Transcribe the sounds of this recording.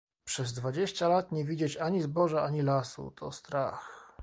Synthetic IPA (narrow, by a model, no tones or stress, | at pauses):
pʂɛzd̪vad͡ʑeɕt͡ɕalat̪ɲɛvʲid͡ʑet͡ɕaɲizbɔʐaaɲilasṵt̪ʰɔ̰st̪ɾa̰x